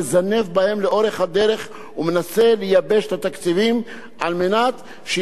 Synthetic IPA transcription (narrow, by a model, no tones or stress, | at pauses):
ezane̞vbahe̞mleʔo̞ʁe̞χhad̪e̞ɾe̞χ | ume̞nase̞lejabe̞ʃet̪at̪akt͡sivim | ʔalmenat̪ | ʃe